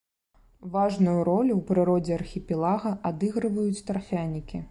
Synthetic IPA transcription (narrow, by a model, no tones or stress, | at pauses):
vaʐnujuɾɔlʲuwpɾɨɾɔd͡zʲɛɐrxʲipʲɛlˠaɣɐʔad̪ɨɣɾɨvɐjut͡sʲt̪ɾafʲanʲikʲi